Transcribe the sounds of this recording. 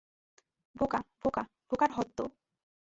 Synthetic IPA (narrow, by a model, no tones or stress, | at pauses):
bokaboka | b̥okaɾɦɔt̪ːo̰